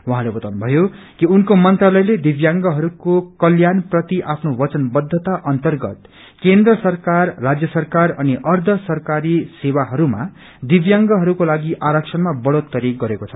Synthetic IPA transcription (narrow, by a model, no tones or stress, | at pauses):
wuɦãlebʌt̪awnbʱʌjo | kiunkomʌnt̪ralʌjled̪ibjaŋɡʌɦʌɾukokʌljanprʌt̪iʔapʰnobʌt͡sʌnbʌd̪ʱːʌt̪aʔʌnt̪ʌrɡʌ̰t̪ | kend̪rʌsʌrkarːad͡zjʌsʌrkarʌniʔʌrd̪ʱʌsʌrkaɾisewaɦʌɾuma̰ | d̪ibjaŋɡʌɦʌɾukolaɡiʔaɾʌksʰʌnmabʌɽot̪̚kʌɾiɡʌɾekot͡sʰʌ